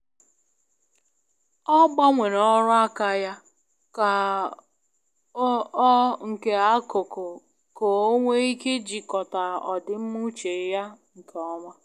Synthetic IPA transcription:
ɔ˦ɡ͡ba˦ŋʷe˨ɾɔɔ˦ɾʊ˦a˦ka˨ja˦ | ka˨˦ | ɔ˦ŋ̩˨ke˨a˦ko˨kʊ˨ | ko˨o˦ŋʷe˦i˦ke˦d͡ʒi˨kɔ˨ta˨ɔ̰˨dɪ˨m̩˦mu˦t͡ʃe˨˦ja˦ŋ̩˨kʰe˨ɔ˦ŋʷa˦

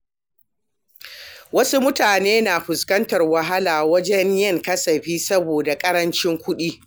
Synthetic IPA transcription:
wɐ˦su˦mʊ˦taː˨neː˦naː˨ɸʊ˨skɐ˦ntɐ˨rwɐ˨ɦa˦laː˨wɐ˦d͡ʒɛ˦ɲjɐ˦˨ŋkɐ˦sɐ˨ɸiː˦sɐ˦boː˨da˨kʼɐ˦ɾɐ˦nt͡ʃɪ˦ŋkʷʊ˦ɗiː˦

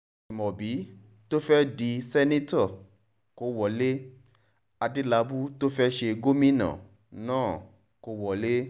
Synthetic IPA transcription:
mɔ̃˨bi˨˦ | to˦fɛ˦di˧sɛ˦nĩ˦tɔ˦˨ | ko˧˦wɔ˨le˦ | a˧di˦la˧bu˦to˦fɛ˦ʃe˧ɡo˦mĩ˦nã̰˨ | nãː˦˨ | ko˧˦wɔ˨le˦

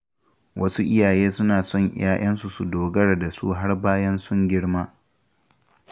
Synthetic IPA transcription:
wʔɐ˦su˦ʔɪ˦jaː˨jeː˦sʊ˦naː˨sɔ˦˨ŋ̰˦jaː˦j̰ɐ˦nsu˨su˨doː˨ɡɐ˦ɽda˨sṵ˦ɦa˦rbaː˦jɐ˦nsʊ˦ŋɡʲɪ˦ɽmaː˦

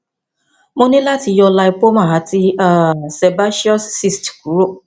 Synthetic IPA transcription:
mõ˦nĩ˦la˦ti˨jɔ˧la˧i˨po˦mã˨ɦa˨˦ti˦a˦˨se˨ba˦ʃi˦ɔ˦sːi˦stku˨˦ɾo˦˨

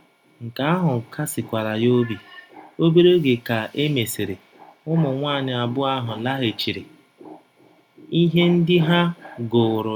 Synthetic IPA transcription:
ŋ̩˨ka˨˦a˦ɦʊ˨ŋ̩˨kʰa˦sɪ˨kʷa˨ɾa˨jo˦bi˨o˦be˦ɾe˦ɡe˨ka˨ʔe˦me˨se˨ɾe˨ | ʊ˦mʊ˨ŋʷaː˦˨ɲɪ˨a˨bʊ˦a˦ɦʊ˨la˦ɦe˨t͡ʃi˨ɾe˨ | i˦ɦe˦n̩˦dɪ˦ɦa˦ɡo˨ɾʊ˨

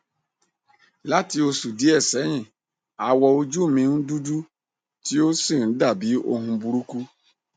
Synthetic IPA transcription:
la˦ti˨˦o˦su˨di˦ɛ˦˨sɛ˨˦ɲɪ̃˦˨ | a˨wɔ˨o˦d͡ʒu˦˨mĩ˨˦n̩˦du˦du˦ | ti˦o˦si˦˨n̩˨˦da˦˨bi˨˦o̰˦ɦũ˦bu˦ɾu˦ku˦

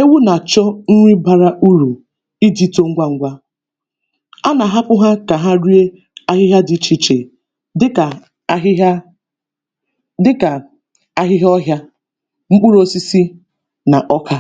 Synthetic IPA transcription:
e˦wu˦na˨t͡ʃɔ˦n̩˦ŋʷi˦ba˨ɾa˦ʔu˦ɾu˨ | i˦di˦to˦ŋ̩˦ɡʷa˦ŋ̩˦ɡʷa˦ | a˦na˨ɦa˦pʊ˦ɦa˦ka˨ɦa˦ɾi˦e˦ | a˦ɦɪ˦ɦja˦dɪ˨˦t͡ʃi˨t͡ʃe˨ | ɪ˦ka˨˦ | dɪ˦ka˨ | a˦ɦɪ˦ɦɔ˦ɦja˦ | ŋ͡m̩˦k͡pʊ˦ɾo˨si˦si˦ | na˨ʔɔ˦kʰa˦

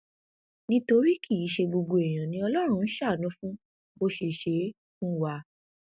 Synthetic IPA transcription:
nĩ˧to˧ɾi˦ki˦˨ji˨˦ʃe˧ɡ͡bo˧ɡ͡bo˧ɛ˨j̃ã˨nĩ˧˦ɔ˧lɔ˦ɾ̃ũ˦˧n̩˦ʃa˦˨nũ˨˦fũ˦ | bo˧ʃe˧˨ʃe˧˦ | fũ˦wa˧˦

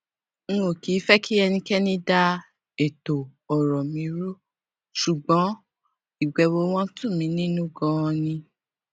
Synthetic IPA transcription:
nũ˦o˨ki˨˦fɛ˦ki˦ɛ˧nĩ˧kɛ˦nĩ˦da˦ | e˨to˨ɔ˨ɾɔ˨mĩ˨˧˦ɾo˦ | ʃu˨ɡ͡bɔ̃˨˦ | i˦˨ɡ͡bɛ˨˧wo˧w̃ɔ̃˦tũ˦˨mĩ˨˧˦nĩ˦nũ˦ɡɔ̃˦ɔ̃˧nĩ˧

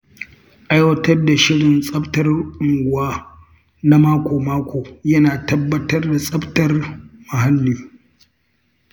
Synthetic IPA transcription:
ʔa˦jwɐ˦tɐ˦rda˨ʃɪ˦ɽɪ˨nsʼɐ˦btɐ˦rʔʊ˨ŋɡʷʊ˨aː˦ | na˦maː˦kʷoː˨maː˦kʷʰoː˨jɐ˦naː˨tɐ˦bːɐ˦tɐ˦rda˨sʼɐ˦btɐ˦rma˨ɦa˦lːiː˨

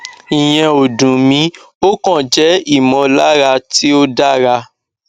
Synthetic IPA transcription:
ĩ˨j̃ɛ̃˧o˨dũ˨mĩ˨˦ | o˦kɔ̃˦˨d͡ʒɛ˨˦i˦˨mɔ̃˨˧la˦ɾa˧ti˦o˦da˦ɾa˧

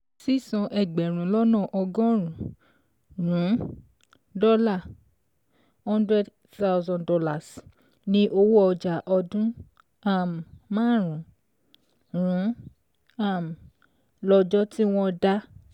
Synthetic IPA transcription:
si˦˨sɔ̃˧ʔɛ˨ɡ͡bɛ˨ɾ̃ũ˨˦lɔ˦nɔ̃˦˨ʔɔ˧ɡɔ̃˦ɾ̃ũ˨˦ | ɾũ˨˦ | dɔ˦la˦˨ | hɔ̃˦ndɾɛ˦d | θa˦wzɔ̃˧ndɔ˦la˨s | nĩ˧˦ʔo˧wo˦ɔ˧d͡ʒa˨ʔɔ˧dũ˦ | a˦˨m˨mãː˦ɾũ˨˦ | ɾũ˨˦ | a˦˨m˨ | lɔ˧d͡ʒɔ˦ti˦w̃ɔ̃˧da˦

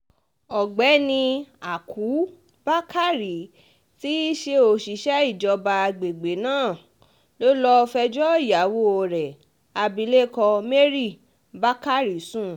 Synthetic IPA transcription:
ɔ˨ɡ͡bɛ˨˦nĩ˧a˨kʰu˨˦ | b̥a˦ka˦ɾi˨ | ti˦ʃe˧o˧˨ʃi˨˦ʃɛ˦i˦˨d͡ʒɔ˧ba˧ɡ͡be˨ɡ͡be˨˦nãː˦˨ | lo˦lɔ˧fɛ˧d͡ʒɔ˦i˦˨ja˨˦wo˦o˧˨ɾɛ˨ | a˧bi˧le˦kɔ̃˧me˦ɾi˦˨ | ba˦ka˦ɾi˨sũ˦˨

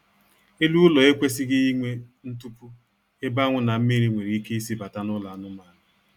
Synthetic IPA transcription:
e˦lu˦lɔ˨e˦kʷe˦s̬ɪ˦ɡɪ˦i˦ŋʷe˦n̩˦tu˦ku˦ | e˦ba˦ŋʷʊ˦na˨m̩˦mi˦ɾi˦ŋʷe˨ɾi˨i˦ke˦i˦si˦ba˨ta˦nʊ˦la˨˦nʊ˦ma˨˦ɾɪ˨

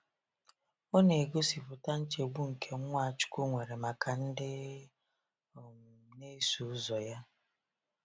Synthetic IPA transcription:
o˦ne˨ɡo˦si˨pʊ˨ta˦n̩˦t͡ʃe˨ɡ͡bu˦ŋ̩˨kʰe˦ŋʷa˦˨t͡ʃʊ̥˦kʷu˦ŋʷe˨ɾe˨ma˨kʰa˨n̩˦dɪ˦˨ | ne˦su˨˦zɔ˨ja˦

